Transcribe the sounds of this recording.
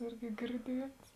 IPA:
ˈɪrʲɡʲɪ ɡʲɪrʲˈdʲiɛts

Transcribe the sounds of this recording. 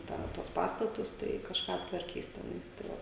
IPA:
ˈtɑː tuɔs ˈpɑːstɐtʊs tɐɪ kɐʃˈkɑː ɐptʋɐrʲˈkʲiːs tʲɛˈnɐɪs tɐɪ ˈʋɐ

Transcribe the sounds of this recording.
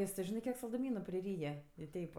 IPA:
ˈjɪs tʲɪ ˈʒʲɪnɜ ˈkʲiɛk sɐlˠdʊˈmʲiːnʊ pʲrʲɪˈrʲiːjɛ ɪ ˈtʲɛɪp

